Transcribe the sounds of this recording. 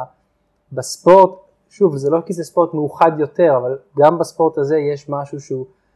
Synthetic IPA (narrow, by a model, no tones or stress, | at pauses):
bespo̞ʁt | ʃuvzelo̞kizespo̞ʁt̪mejuχadjo̞te̞ʁavalɡambaspo̞ʁtazejeʃmaʃuʃu